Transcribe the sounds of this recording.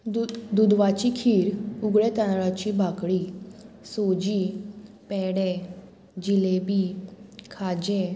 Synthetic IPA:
d̪ud̪ʋat͡ɕikʰiːɾuɡɭet̪anɭat͡ɕibʱakɽi | sod͡ʑiː | pɛɽe | d͡ʑilebikʰad͡ʑe

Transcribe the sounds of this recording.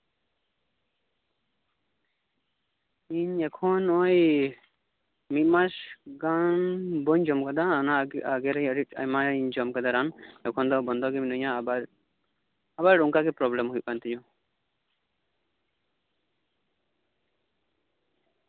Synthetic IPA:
iɲɛkʰɔnɔj | mit̪̚ˀmasɡanbɔɲd͡ʒɔmkad̪anaaɡɛɾɛjəɾit̪a̰jmaiɲd͡ʒɔmkad̪aɾanɛkʰɔnd̪ɔbɔnd̪ɔɡɛminɔɲabaɾ | abaɾɾɔŋkaɡɛpɾɔblɛmɦuj̚pant̪id͡ʒɔ

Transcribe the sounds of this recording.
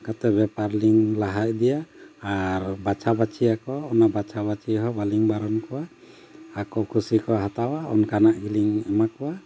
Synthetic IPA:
kat̪ɛbɛpaɾliŋlaɦac̚d̪ɛjaː | ɾbat͡ʃʰabat͡ʃijakɔːnabat͡ʃʰabat͡ʃiɦɔbaliŋbaɾɔnkɔwaː | kɔkʰusikɔɦat̪awaɔ̰nkanaʔɡiliŋɛmakɔwa

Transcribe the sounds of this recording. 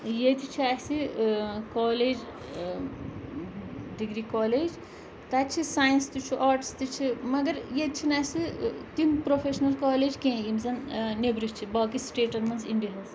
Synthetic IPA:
jet̪it͡ʃʰiasikɔːleːd͡ʒ | ɖiɡɾikɔːleːd͡ʒ | t̪at͡ʃʰisaːjnst̪ut͡ʃʰiʔaːɾʈst̪ut͡ʃʰimɐɡɐɾjet̪t͡ʃʰinasit̪inpɾopʰeːʃnɐlkaːleːd͡ʒkẽːimzɐnnebɾist͡ʃʰibaːkisʈeːʈɐnmɐnziɳɖiɦɐz

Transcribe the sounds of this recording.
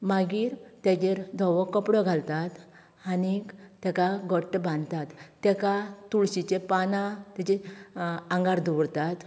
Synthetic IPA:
maɡiːɾt̪jad͡ʑeɾd̪ʱɔʋɔkːəpɽɔɡʱalt̪at̪ | anit̪jakaɡəʈːbãnd̪t̪at̪ːɛkat̪uɭɕit͡ɕepanãt̪at͡ɕe | ãŋɡaɾd̪ʱuʋɽt̪at̪

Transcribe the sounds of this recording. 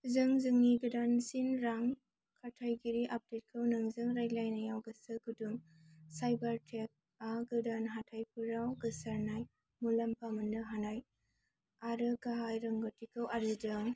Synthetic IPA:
zɯŋzɯŋniɡɯdansinɾaŋ | kʰatʰajɡiɾiʔap̚det̚kʰɯwnɯŋzɯŋɾajlajnajawɡɯsɯɡudum | sajbaɾtʰek̚ | aɡɯdanɦatʰajpʰuɾawɡɯsaɾnaj | mulampamɯndɯɦanaj | aɾɯɡaɦajɾɐŋɡotʰikʰɯwaɾidɯŋ

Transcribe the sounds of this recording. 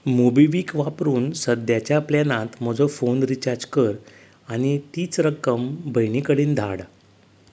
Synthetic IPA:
mobiʋiːkʋapɾuːnsəd̪jat͡ɕjaplanãt̪m̤ɔd͡zɔfonɾit͡ɕaɾd͡zkəɾ | añit̪iːt͡sɾəkəmbʱəjɳikəɽiːnd̪ʱaɽ

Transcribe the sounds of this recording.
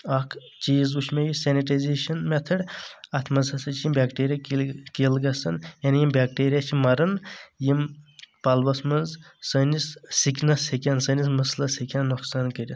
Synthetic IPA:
ɐkʰ | t͡ʃiːzuʃʰmʲejisʲeniʈazʲeːʃɐnmʲɛt̪ʰɐɖɐt̪ʰmɐzɐsɐt͡ʃʰijimbʲaːkʈeːɾijakkilɡɐsɐnjaːnijimbʲaːk̚ʈeːɾʲijat͡ʃʰimɐɾɐnjimpɐlʋɐsmɐnzsɐnissiknɐsekʲaːnsɐnis̬mɨslɐsekʲaːnːuksaːnkəɾʲi

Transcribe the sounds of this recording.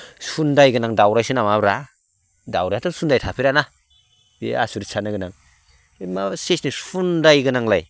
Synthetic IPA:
sundajɡɯnaŋdawɾajsɯnamabɾa | dawɾajatʰɯsundajtʰapʰiɾana | ḭa̰suɾisʰanɯɡɯnaŋ | masesnisundajɡɯnaŋlaj

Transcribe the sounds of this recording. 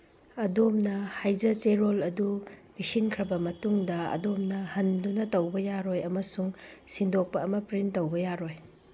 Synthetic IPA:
ɐdomnɐhajd͡ʒɐt͡ʃeɾolɐdubisinkʰɾɐbɐmɐtuŋdɐɐ̰domnɐhɐndunɐtɐwbɐjaɾojɐmɐsuŋsindok̚pɐɐmɐpɾintɐwbɐjaɾoj

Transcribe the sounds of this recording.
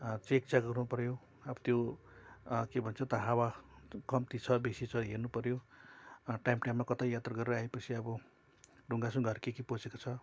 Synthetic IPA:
t͡sek̚t͡saɡʌrnupʌrjo | ʌbʌt̪jo | kebʱʌnt͡sʰʌt̪ʌɦawakʌmt̪it͡sʰʌbesit͡sʰʌɦernupʌɾjo | ʈajmʈajmːakʌt̪ajjat̪rʌɡʌɾeɾʌaepʌt͡sʰiʌbʌ | ɖʱuŋɡasũɡʱʌrkekiposekot͡sʰʌ

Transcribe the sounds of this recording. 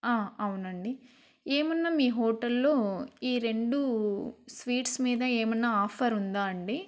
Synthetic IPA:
aːɐwunɐɳɖi | eːmɐnːaːmiːɦoːʈɐlːo̞ːiːɾe̞ɳɖusʋiːʈsmiːd̪ɐeːmɐnːaaːpʰɐɾund̪aːɐɳɖi

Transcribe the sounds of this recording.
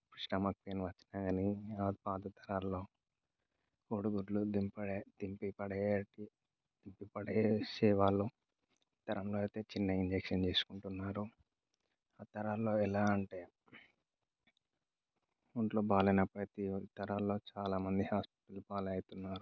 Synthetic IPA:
pɾiʂʈɐmɐk̚peːnʋɐt͡ʃːi̥naːɡɐniaːpaːd̪ɐt̪ʰɐɾaːlːo̞ː | koːɽuɡuɾlud̪impɐɽed̪impipɐɽɐʈi | d̪impipɐɽesɛːʋaːlːoː | t̪ɐɾɐmloːɐjt̪e̞ːt͡ʃinːɐiɲd͡ʒekʂɐnt͡ʃe̞ːsu̥kuɳʈunːaːɾu | aːt̪ɐɾaːlːo̞ːɛlaːɐɳʈe̞ː | uɳʈlo̞ːbʱaːlɐjnɐpɾɐt̪it̪ɐɾaːlːo̞ːt͡ʃaːlaːmɐnd̪ihaːspi̥ʈɐlubaːlɐɐjit̪unːaːɾu

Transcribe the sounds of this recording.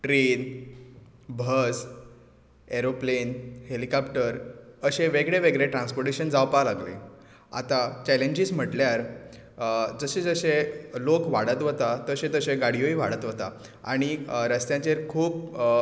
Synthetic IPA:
ʈɾen | bʱəs | eɾoplenhelikapʈəɾəɕẽʋeɡɽeʋeɡɾeʈɾãnspoɾʈeɕənd͡zawpalaɡlḛ | a̰t̪at͡ɕɛleɲd͡ʑism̤əʈljaɾ | d͡zəɕed͡zəɕelokʋaɽət̪ʋət̪at̪əɕẽt̪əɕeɡaɽ̤ijoiʋaɽət̪ʋət̪a | a̰ɽ̃iɾəst̪jãt͡ɕeɾkʰuːp

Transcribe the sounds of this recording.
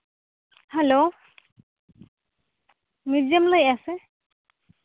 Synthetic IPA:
halo | mizamləjase

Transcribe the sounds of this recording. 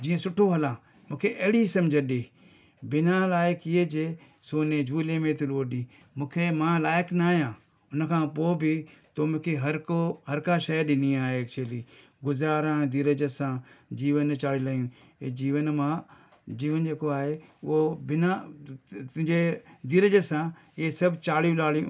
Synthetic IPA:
d͡ʑĩːə̃sʊʈʰoɦɐlãː | mũːkʰeʔɐɦɪɽisɐ̃md͡ʒʱəɗeː | bɪnãlaːjɪkied͡ʒeː | soːned͡ʒʱuːlẽmẽt̪ʰɪloːɗĩː | mũːkʰemãːlaːjɪknaːijãː | ʊnə̆kʰãːpoːbɪt̪omũːkʰeɦɐɾkoɦɐɾkaʃəjɗɪniaːɦeːt͡ʃʰeliː | ɡʊzaːɾãːd̪ɪɾəd͡ʒəsãːd͡ʒiːʋənt͡ʃaːɽilaːjũː | ed͡ʒiːʋənmãː | d͡ʒiːʋənd͡ʒeːkoaːɦeːʊobɪnã | d͡ʒed̪ɪɾəd͡ʒəsãː | ɪesɐbt͡ʃaːɽjũlaːlij̃

